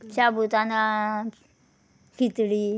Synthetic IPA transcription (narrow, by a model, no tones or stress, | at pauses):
t͡ɕabut̪ana | kʰit̪ɽiː